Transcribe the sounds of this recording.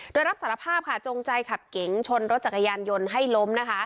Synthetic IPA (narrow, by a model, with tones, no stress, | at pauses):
doː˧jɾa˦˥p̚saː˩˦ɾa˧pʰaː˥˩p̚kʰa˦˥˩t͡ɕoː˧ŋt͡ɕa˧jkʰa˨˩p̚ke˨˩˦ŋt͡ɕʰo˧nɾo˦t̪̚t͡ɕa˨˩kːa˧jaː˧njo˧nɦa˥˩jlo˦˥mna˦˥kʰa˦˥ʔ